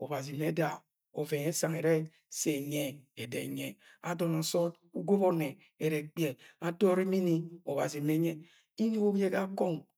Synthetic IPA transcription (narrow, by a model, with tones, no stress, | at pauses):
o˨ba˨zi˨˦e˦da˨ | o˨ve˨ŋe˦sa˨ŋe˨ɾe˦ | se˨ɲe˦e˨dḛ˨ɲe˨a˨do˨na˨so˦t | u˦ɡo˦bo˦ne˨ | e˨ɾe˨k͡pi˦e˨a˦do˦ɾi˦mi˦ni˦o˨ba˨zi˨˦e˦ɲe˦ | i˦ɲu˦o˦bje˦ka˦ko˦˨ŋ